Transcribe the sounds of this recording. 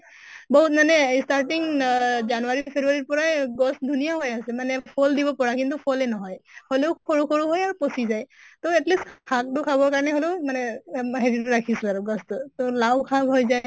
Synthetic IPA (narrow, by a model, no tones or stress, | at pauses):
boɦutmanɛstaɹʈiŋzanuaɹipʰebuaɹiɹpɔɹajɡɔsdʱunijaɦojasɛmanɛpʰoldibɔpɔɹakintupʰɔlɛnɔɦɔjholeʊkʰoɹukʰoɹuɦojaɹuposizajtoɛtlistkʰak̚tʊkʰabɔɹkaɹnɛɦoleʊmanɛɦeɹitʊɹakʰisɛaɹuɡɔstʊtolawkʰabɦojzaj